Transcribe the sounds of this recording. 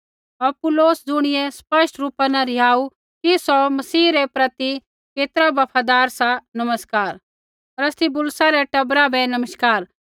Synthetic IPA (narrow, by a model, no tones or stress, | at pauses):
ɐpʊloːsd͡zʊɽ̃ɪjɛspɐʃʈɾuːpanãɾɪɦaːu | kisɔmɐsiːɾɛpɾɐt̪i | keːt̪ɾabɐpʰad̪aːɾsãnɐməskaːɾ | ɔɾɐst̪ʰibʊlsaɾɛʈɐbɾabɛnɐməʃkaːɾ